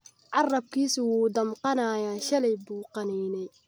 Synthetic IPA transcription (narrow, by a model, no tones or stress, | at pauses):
ʕɑrɐb̚kʰiːsʊwuːd̪ɐmqɑnaːjaːʃɐlɛjbuːqɑnɛːnɛj